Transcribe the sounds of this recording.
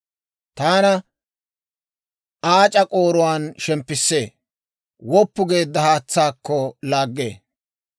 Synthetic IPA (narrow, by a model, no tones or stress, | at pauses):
t̪aːnɐ | aːt͡ʃʼɐkʼo̞ːɾʊwaːnʃɛmpːɪsːe̞ː | wɔpːʊɡe̞ːd̪ːɐhaːt͡sːaːkːɔlaːɡːe̞̰ː